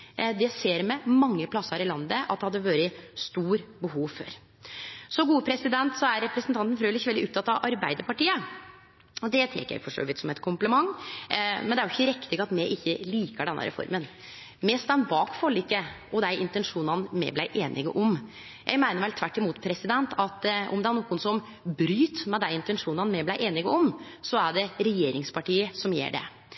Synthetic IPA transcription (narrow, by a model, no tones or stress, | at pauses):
d̪ɛseːɾmɛmɑŋːəpʰlɑsːəɾɪlɑnd̪əʔɑ̰t̪̚d̪ɛhɑd̪ːəʋɑːɾəst̪uːɾbəɦuːʋfø̰ːɾ | sɔɡuːəpʰɾɛsɪd̪ɛnt̪sɔæɾːɛpɾɛsənt̪ɑnt̪n̩fɾøːlɪçːəʋɛldɪʊp̚t̪ʰɑt̪ːɑʋʔɑɾbæɪd̪əɾpɑʈiːə | ɔd̪ɛt̪ʰɛ̰kːəjæ̰ɪfɔʂø̰ːʋɪt̪sɔmɛt̪kʰʊmpləmɑŋː | mɛnd̪ɛæɾʊɪçːəɾɛkt̪ɪɡɑt̪mɛʔɪçːəliːkəɖɛnːə̰ɾɛ̰fɔ̰ɾmən | mɛːst̪ɑnbɑːkfɔlɪkːə | ɔd̪æɪʔɪnt̪ɛnʂuːnɑnmɛ̰blæɪʔeːnʔɪ̰ɡə̰ʔɔm | jʔæ̰ɪɡmæɪnəɾʋɛlt̪ʰʋæʈːɪmuːt̪pʰɾɛsɪd̪ɛnt̪ʰɑt̪ʔɔ̰md̪ɛæɾɳuːkːʊnsɔm | bɾyːt̪mæd̪æɪɪnt̪ɛnʂuːnɑnmɛblæɪʔeːnɪɡəɔmsɔæɖɛɾɛjeːɾɪŋspʰɑʈiːəsɔmjḛːɖɛ̰